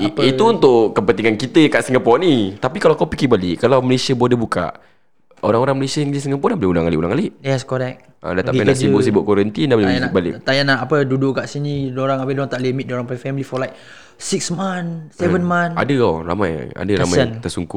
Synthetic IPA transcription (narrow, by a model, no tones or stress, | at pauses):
iit̪uunt̪ʊʔkəpənt̪iŋankit̪əkaʔsiŋɡəpɔʔnit̪apikalakawpikɪbalɪʔkalawməlesiabuadəbuka̰ʔ | oɾaŋoɾaŋməlesiaiŋɡlisiŋəpɔdaboleulaŋalɪ̰ʔṵla̰ŋalɪʔɛskoɾɛk̚ | ə̰dat̪aʔpɛnaʔsibʊʔsibʊʔkoɾənt̪indabolbalɪ̰ʔt̪ajanaapədudʊʔkaʔsinidoɾaŋabedoɾaŋt̪aʔlimit̪̚dioɾaŋpafɛmilifɔlajk̚ | siksmansɛvənmana̰dəɔ̰ra̰maj̰a̰dəɾa̰majnt̪əsuŋku